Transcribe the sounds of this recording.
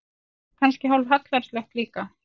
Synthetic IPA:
kʰanscɪɦawlvɦat̪lvɛɾ̥slɛht̪liːka

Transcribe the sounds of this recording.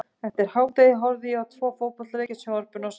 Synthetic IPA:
θɛht̪ɪɾ̥haːwt̪ejɪɦɔɾðɪawt̪ʰvɔːfoːwpɔlɾeːjcasjaːwaɾpʏnas

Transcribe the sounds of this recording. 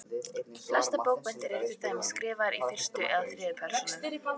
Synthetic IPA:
flast̪apoːwk̚pɛnt̪ɪɾɛɾfɪɾ̥t̪ʰaːjmɛðskɾɪːvaɾifɪr̥st̪ʏʔɛðaθɾɪːðʏpʰɛr̥sɔa

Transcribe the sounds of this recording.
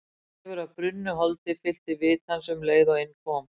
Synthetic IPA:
ɛvʏɾaðpɾʏnːʏɦɔlt̪ɪfɪl̥t̪ɪvɪːt̪hansɛmleːjɣðawenkʰɔːm

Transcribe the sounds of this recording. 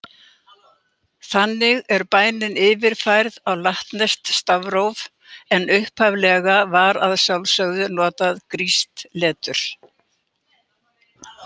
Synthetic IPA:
θanːɪɣɛɾpaːjnɪnɪːvɪɾ̥fajɾðawlaht̪nɛst̪st̪avɾowv | ɛnʏhphavlɛɣavaːɾaðsawlsœɣðʏnɔːt̪aðkɾist̪lɛːt̪ʏɾ̥

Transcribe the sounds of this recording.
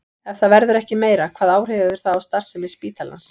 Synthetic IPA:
ɛvθaðvɛɾðʏɾɛhcɪmeːjɾakʰvaːðaːwr̥evɪðɪɾ̥θaðawst̪ar̥sɪmɪspiːt̪ala̰ns

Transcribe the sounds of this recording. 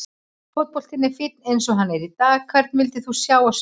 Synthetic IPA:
fɔt̪̚pɔl̥t̪ɪnːɛfɪt̪̚nejnsɔɦanːɛɾit̪aːɣkʰv̥ɛɾt̪nvɪlt̪ɪθusjaːwas

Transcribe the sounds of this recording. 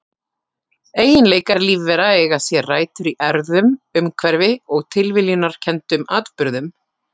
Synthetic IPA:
eːjɪnleːjkaɾliːvvɛɾaɛɣasjɛraːjt̪ʏɾiʔɛɾðʏmʏmkʰvɛɾvɪɔɣt̪ʰɪlvɪljinaɾ̥cʰɛnt̪ʏmaːt̪pʏɾðʏm

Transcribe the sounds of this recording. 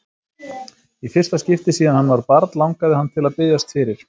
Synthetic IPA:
ifɪrst̪ascɪft̪ɪsiːðanhanːvaɾpaɾt̪lawŋkaðɪhanːt̪ʰɪlaðpɪðjast̪fɪɾɪɾ̥

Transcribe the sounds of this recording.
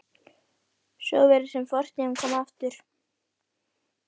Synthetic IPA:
sɔ̰wvɛɾɪ̥sɛmfɔr̥t̪ɛnkʰɔːmaaft̪ʏɾ̥

